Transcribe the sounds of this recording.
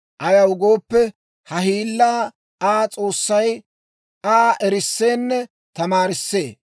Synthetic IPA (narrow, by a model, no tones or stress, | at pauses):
ʔɐjɐwʊɡo̞ːpːɛ | hɐɦiːlːaː | aːt͡sʼo̞ːsːɐj | aːʔɛɾɪsːeːnːɛ | t̪ɐmaːɾɪsːe̞̰ː